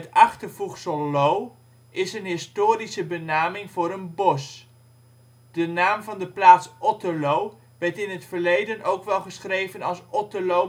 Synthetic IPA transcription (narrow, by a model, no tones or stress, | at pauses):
ətɑχtəɹvuχsəlow | ɪsənɦɪstoːɾisəbənaːmɪŋvʊːɾənbɔs | d̥ənaːmvɑndəplaːtsʔɔtəlow | ʋɛɹtɪnɦətfəɹlejdənowkʋɛlˠχəsχrejvənɑlˠsɔtəlo